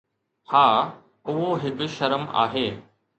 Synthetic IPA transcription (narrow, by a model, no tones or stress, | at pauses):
haː | ʊɦoɦɪkʊ̆ʃɐɾəma̰ːɦeː